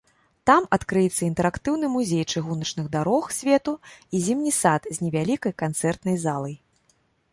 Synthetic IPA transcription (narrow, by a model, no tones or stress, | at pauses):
t̪amɐt̪kɾɨjɛt̪sːɐint̪ɛɾakt̪ɨwnɨmuzʲejt͡ʂɨɣunɐt͡ʂnɨɣd̪aɾɔxsʲvʲɛt̪uizʲimnʲisat̪zʲnʲɛvʲalʲikɐjkant̪sɛrt̪nɐjzalˠɐj